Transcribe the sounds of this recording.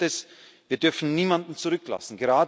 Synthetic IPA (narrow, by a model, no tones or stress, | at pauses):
tɛs | v̥iːɐdʏɐfn̩niːmandn̩t͡suʁʏkla̰sn̩ɡəʁaːd